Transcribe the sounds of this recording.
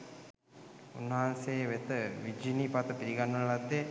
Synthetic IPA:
unːaansejʋet̪əʋid͡ʒinipat̪əpiɾiɡanːəʋlad̪ːe

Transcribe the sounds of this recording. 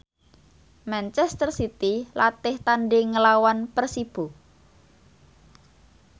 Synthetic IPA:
mɛnt͡ʃɛst̪ərsit̪ilat̪ɪht̪anɖeŋəlawanpərsib̥u

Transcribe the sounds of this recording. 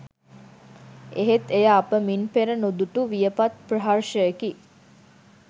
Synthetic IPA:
eɦet̪ejaːpəminpeɾənud̪uʈuʋijəpat̪̚prəɦarʃəeki

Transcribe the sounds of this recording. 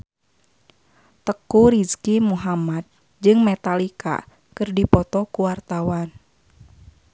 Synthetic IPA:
t̪əkuɾiskimuɦamad̪̚ | d͡ʒɨŋmɛt̪alika̰ | kɨrdipɔt̪ɔkuwart̪awan

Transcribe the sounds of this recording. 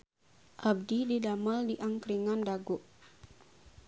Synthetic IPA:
ʔab̚dididaməldiʔaŋkɾiŋandaɡoʔ

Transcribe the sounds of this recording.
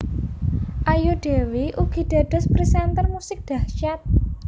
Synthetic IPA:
ʔajuɖ̥e̤weʔuɡ̥i̤ɖ̥a̤d̥ɔ̤spɾisɛnt̪ərmusɪk̚d̪̥a̤hʃat̪̚

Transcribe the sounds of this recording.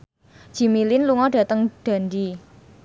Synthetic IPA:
d͡ʒ̥i̤milɪnluŋɔɖ̥ä̤t̪əŋd̥a̤nd̪i

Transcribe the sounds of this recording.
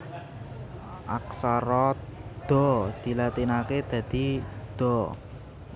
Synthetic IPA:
ʔaksaɾɔd̪̥ɔ̤d̪̥i̤lat̪inaked̪̥ä̤d̪̥i̤d̪̥ɔ

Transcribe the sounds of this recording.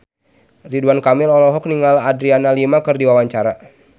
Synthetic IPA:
riduankamɪlɔlɔɦɔk̚niŋaladɾianalimakɨrdiwawaɲt͡ʃaɾa

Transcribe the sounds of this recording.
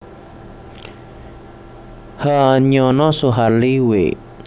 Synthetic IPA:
haɲɔnɔsuɦaɾliwe

